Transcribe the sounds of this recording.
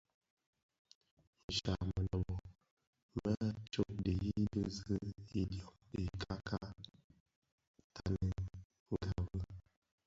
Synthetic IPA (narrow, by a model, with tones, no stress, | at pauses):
n̩˨ʃa̰˨mə˨nə˨mɔ˨ | mə˦t͡ʃo˦k̚de˨i˦də˦zə˦i˦djɔ˨kde˨kʰa˦kʰa˦ | tʰa˦nə˨ | ŋɡa˨və˦